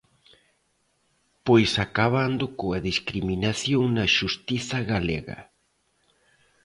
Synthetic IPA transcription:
pojsakaβand̪ʊkoɐðiskɾiminaθjoŋnɐʃust̪iθɐɣaleɣɐ̰

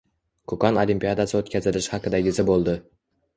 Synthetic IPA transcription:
kʰokɒnolimpʲijad̪asɪot̪kʲʰazɪlɪʃhɑqɨd̪aɡʲɪzɪbolˠd̪ɪ

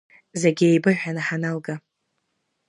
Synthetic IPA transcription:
zeɡʲiejbɨħʷᶣanaħanalɡa

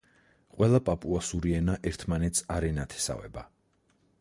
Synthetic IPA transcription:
qʼwɛlˠapʼapʼuasuɾiɛnaʔɛɾt̪ʰmanɛt̪sʰaɾɛnat̪ʰɛ̥sa̰vɛ̰ba

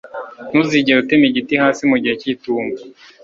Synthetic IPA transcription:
nuziɟeɾutemiɟitihaːsimuɟiheciːtuːmba

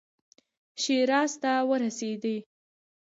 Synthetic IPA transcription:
ʃeɾɑst̪awəɾased̪e

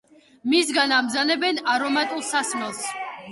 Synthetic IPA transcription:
misɡanamzanɛbɛnaɾɔmat̪ʼulˠsasmɛlˠs

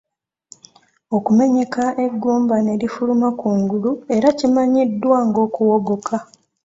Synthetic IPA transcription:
o̞kume̞ɲe̞kaʔe̞ɡːuːmbane̞ɾifulumakuːŋɡulue̞ɾacimaɲidːwaŋɡo̞ːkuwo̞ɡo̞kʰa

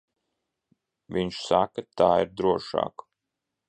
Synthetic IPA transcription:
vʲiɲʃsakat̪aːiɾd̪ɾuɔʃɑ̰ːk

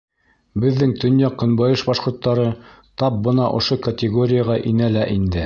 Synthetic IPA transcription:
bɘ̆ðːɘŋt̪ɵ̆njɑqɤ̆nbɑjɤʃbɑʃqŏɾt̪ːɑɾɤ | t̪ɑp̚bɤ̆nɑʔŏʃokɐt̪ʲɪɡoɾʲɪjaʁɑʔinælæʔind̪ɘ

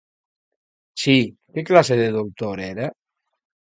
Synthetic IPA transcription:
sikeklaseðeðowt̪oɾeɾa

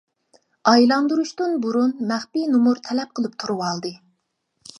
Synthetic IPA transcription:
ɑjlˠɑnd̪uɾuʃt̪unbuɾunmæχpinumuɾt̪ʰɛlɛp̚qʰəlˠɨp̚t̪ʰuɾuwɑlˠd̪ɨ

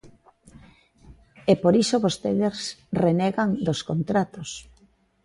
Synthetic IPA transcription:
epoɾisoβost̪eðesrenɛɣaŋd̪oskont̪ɾat̪os

